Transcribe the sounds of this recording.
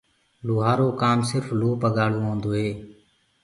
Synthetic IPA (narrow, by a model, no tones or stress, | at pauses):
luːɦaːɾoːkaːmsɪɾfloːpəɠaːɽõːɦõːnd̪oːɦeː